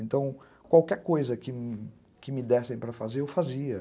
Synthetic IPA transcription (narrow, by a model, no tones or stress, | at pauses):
ẽnt̪ɐ̃w̃ | kwawkɛɾkojzɐkɪm | kɪmɪd̪ɛsẽj̃pɾɐfazeɾewfaziɐ